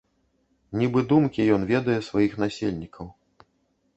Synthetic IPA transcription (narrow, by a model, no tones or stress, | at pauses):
nʲibɨd̪umkʲijɔnvʲɛd̪ɐjɛsvajixnasʲelʲnʲikʰɐw